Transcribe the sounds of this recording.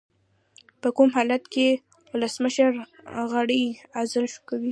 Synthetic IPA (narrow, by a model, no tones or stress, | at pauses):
pəkumɦɑlat̪ke | wʊləsməʃəɾɣaɽəjazɪlʃu̥kawi